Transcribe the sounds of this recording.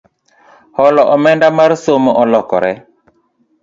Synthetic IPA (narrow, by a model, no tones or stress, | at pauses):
hɔlɔʔɔmɛndamaɾsomoʔɔlɔkɔ̰ɾɛ